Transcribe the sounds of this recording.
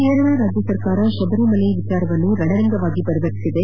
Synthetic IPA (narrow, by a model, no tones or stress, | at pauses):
eːɾʋɐɭɾaːd͡ʒɐsɐɾkaːɾɐsɔdɐɾɐmɐlɐɪʋɪt͡ʃːaːɾʋɐnuɾɐɽɐɾɐŋɡɐʋaːɣipɐɾɪʋɐɾsɪðɐ